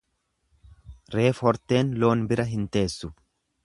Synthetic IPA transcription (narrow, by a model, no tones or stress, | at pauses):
ɾeːfɔɾt̪e̞ːnlo̞ːnbɪɾɐɦɪnt̪e̞ːsːʊ